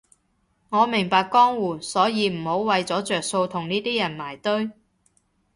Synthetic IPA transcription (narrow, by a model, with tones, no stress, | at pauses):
ŋɔː˨˧mɪ˨˩ŋpaː˧kːɔː˥ŋwuː˨˩sɔː˨˥jiː˨˧m̩˨˩ho˨˥wwɐ˨jt͡sɔː˨˥t͡sœː˨k̚so˧wt̪ʰʊ˨˩ŋniː˥t̪iː˥jɐ˨˩nmaː˨˩jt̪ɵ˥ɥ